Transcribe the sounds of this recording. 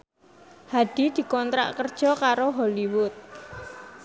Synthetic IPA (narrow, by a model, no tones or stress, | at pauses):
had̪̥i̤d̪̥i̤kɔnt̪ɾa̰ʔkərd̥ʒ̥ɔ̤kaɾoɦɔliwʊt̪̚